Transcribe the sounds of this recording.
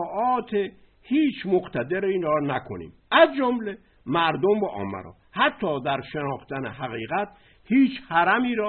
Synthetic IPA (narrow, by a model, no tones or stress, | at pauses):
ʔɒːt̪ʰe | hiːt͡ʃʰmoɡt̪ʰæd̪eɾiːnɾɒːnækʰo̰nḭːm | æzd͡ʒomle | mæɾd̪ombæʔɒ̰ːmːæ̰ɾɒ̰ːhæt̪ʰːɒːd̪æɾʃenɒːxt̪ænḛɦæɣiːɣæt̪ | hiːt͡ʃhæɾæmiːɾɒː